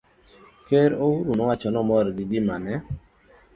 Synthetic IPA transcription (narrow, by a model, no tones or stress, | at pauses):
keɾouɾunɔwat͡ʃɔnɔmɔɾɡiɡɪmanɛ